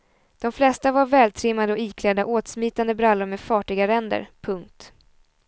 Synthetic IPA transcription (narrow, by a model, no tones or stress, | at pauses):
d̪̥ɔmflɛst̪avaɾvɛːlt̪ʰɾɪmːand̪əɔiːkʰlɛd̪aʔoːt̪smiːt̪and̪əbɾalːʊɾmɛfɑːʈɪɡaɾɛnd̪ə̰ɾpʰɵŋk̚t̪